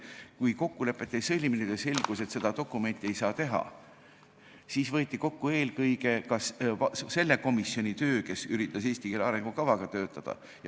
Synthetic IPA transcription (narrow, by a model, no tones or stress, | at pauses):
kujko̞kːule̞pːˑe̞t̪ːˑesɤlʲminid̪̥ese̞lʲɡ̥use̞t̪se̞d̪̥ɑt̪o̞kːˑume̞nʲt̪ːˑie̞jsɑːt̪e̞ɦɑ̰ | siːsvɤːt̪ʲːˑiko̞kːue̞ːlkɤjɡe̞kɑsse̞lːe̞ko̞misːio̞nʲit̪ø̞ːke̞syɾit̪ˑːɑse̞ːst̪ikeleɑɾe̞ŋɡ̥ukɑvɑɡ̥ɑt̪ø̞ːt̪ːˑɑd̪̥ɑ̰ | j